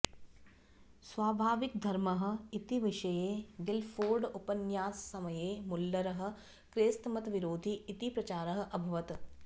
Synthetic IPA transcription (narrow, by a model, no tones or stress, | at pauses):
sʋaːbʱaːʋik̚d̪ʱɐɾmɐɦə̆it̪iʋɪʃɐjeːɡɪlfʰoːɾɖupɐnjaːsːɐmɐjeːmʊlːɐɾɐɦə̆ | kɾeːst̪ɐmɐt̪ʋiɾoːd̪ʱiːt̪ipɾɐt͡ʃaːɾɐɦɐ̆ʔɐbʱɐʋɐt̪